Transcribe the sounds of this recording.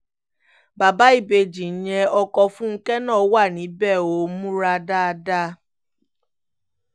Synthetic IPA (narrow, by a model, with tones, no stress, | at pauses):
ba˨ba˨˦i˦˨be˧d͡ʒi˨n̩˦jɛ˧ɔ˧kɔ˧fũ˦ŋ̩˦kɛ˦nãː˦˨˦wa˦˨nĩ˨˦bɛ˦˨o˨˦mũ˦ɾa˧da˦a˧da˦